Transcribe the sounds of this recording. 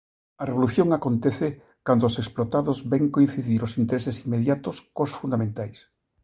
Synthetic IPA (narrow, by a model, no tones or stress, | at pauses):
ɐreβoluθjoŋakont̪ɛθe | kand̪oːseksplot̪aðozbɛŋkoĩn̟θiðiɾosint̪eɾesesimːeðjat̪oskosfund̪amẽnt̪ajs